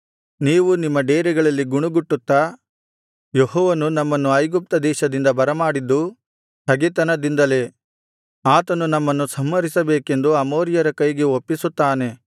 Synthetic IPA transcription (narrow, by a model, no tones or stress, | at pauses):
niːʋunimːɐɖeːɾiɡɐɭɐlːiɡuɳuɡuʈːut̪ːa | jeɦɔːʋɐnunɐmːɐnːuɐjɡup̚t̪ɐd̪ɛːʃɐd̪ind̪ɐbɐɾɐmaːɽid̪ːu | t̪ɐɡit̪ɐnɐd̪ind̪ɐle̞ | aːt̪ɐnunɐmːɐnːusɐmːɐɾisɐbeːke̞nd̪uɐmoːɾjɐɾɐkɐjɡeopːisut̪ːaːne̞